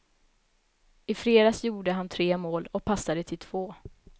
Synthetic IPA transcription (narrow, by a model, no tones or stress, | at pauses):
ɪfɾeːd̪asjuːɖəɦant̪ʰɾeːmoːlɔk̚pʰasːad̪ət̪ʰɪlt̪ʰv̥oː